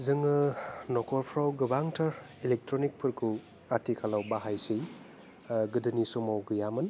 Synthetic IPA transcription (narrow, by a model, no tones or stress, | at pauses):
zɯŋɯnɔkʰɔɾpʰɾawɡɯbaŋtʰaɾ | ilek̚tɾɔnik̚pʰɯɾkʰu | atʰikʰalawbaɦajsɯj | ɡɯdɯnisɔmawɡɯjamɯn